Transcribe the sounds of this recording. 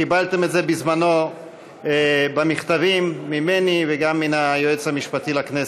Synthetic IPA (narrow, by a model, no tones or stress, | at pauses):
kibalt̪e̞metze̞bizmano̞ | ebamiχt̪avimːimeniveɡamːinajoet͡shamiʃpat̪ilaknes